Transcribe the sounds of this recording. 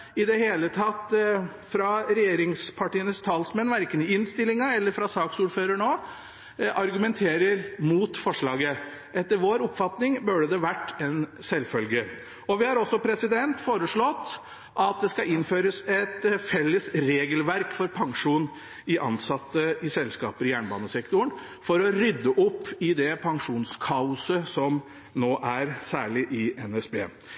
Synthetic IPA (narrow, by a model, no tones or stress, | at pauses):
ɪd̪ɛheːlət̪ʰɑt̪ː | fɾɑɾɛjeːɾɪŋspʰɑʈiːənəst̪ʰɑːlsmɛnʋæɾkənɪɪnst̪ɪlːɪŋɑɛlːəɾfɾɑsɑːksuːɾføːɾəɳoː | ʔɑɾɡʉmɛnt̪ʰeːɾəɾmuːt̪fɔʂɭɑːɡəʔɛt̪ːəɾʋoːɾʊpːfɑt̪nɪŋbœɖəd̪ɛʋæʈːɛnsɛlfœlɡə | ɔʋɪhɑɾɔsːɔpʰɾɛsɪd̪ɛnt̪foːɾəʂɭɔt̪ː | ʔɑt̪̚d̪ɛskɑɪnføːɾəsɛt̪fɛlːəsɾeːɡəlʋæɾkfɔɾpʰɑŋʂuːn | ɪʔɑ̰nsɑt̪ːəɪsɛlskɑ̰ːpəɾɪjæːɳbɑːnəsɛkt̪ʊɳ | fɔɾɔɾʏd̪ːəʔʊpːɪd̪ɛpʰɑŋʂuːnskʰɑʊsəsɔm | noːʔæɾsæːɭɪʔɪɛnɛsbḛː